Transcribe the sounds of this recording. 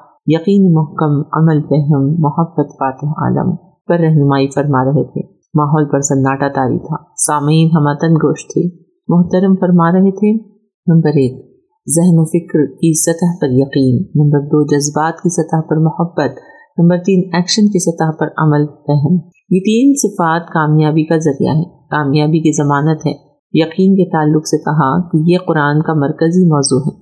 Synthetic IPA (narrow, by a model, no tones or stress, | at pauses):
jɐqiːnimʊɦkəmɐ̰məlfɛɦəmːʊhɐbːət̪faːt̪ɪɦa̰ːd̪ə̰m | pɐɾːɛɦnʊmaːifɐɾmaɾɐɦet̪ʰḛ | maːɦɔːlpɐɾsɐnːaːʈat̪aːɾḭt̪ʰaːsaːmiːnɦɐmaːt̪ɐnɡoːʃt̪ʰe | mʊɦt̪ɐɾəmfɐɾmaːɾɐɦet̪ʰe | nɐ̃mbəɾeːk̚ | zɪɦnofɪkɾkisɐt̪əɦpɐɾjɐqiːnːɐ̃mbəɾd̪oːd͡ʒɐzbaːt̪kisɐt̪əɦpɐɾmɐhəbːət̪ | nɐ̃mbəɾt̪iːnɛːkʃənkisɐt̪əɦpɐɾɐ̰məlɛɦɛn | jet̪iːnsɪfaːt̪kaːmjaːbikazɐɾija̰ɦɛː | kaːmjaːbikizɐmaːnət̪ɦɛ̰ː | jɐqiːnket̪aːlːʊqsekɐɦakejeqʊɾaːnkamɐɾkəzimɔːzuɦɛː